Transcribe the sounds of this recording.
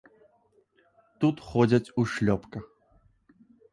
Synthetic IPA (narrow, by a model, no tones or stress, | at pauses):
t̪ut̪xɔd͡zʲɐt͡sʲuʂlʲɔpkɐ